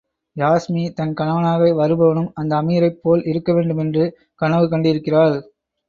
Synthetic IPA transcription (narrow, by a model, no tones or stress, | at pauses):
jaːsmit̪ɐnkɐɳɐʋɐnaːɣɐɪʋɐɾɯbɐʋɐnɯmɐnd̪ɐːmiɾɐɪpːoːlɪɾɯkːɐʋeːɳɖɯmɛndrɯ | kɐɳɐʋɯkɐɳɖɪɾɯkːɪraːl